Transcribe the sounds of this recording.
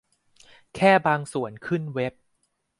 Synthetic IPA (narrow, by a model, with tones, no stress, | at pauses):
kʰɛː˥˩baː˧ŋsu˨˩ənkʰɯ˥˩nwe˦˥p̚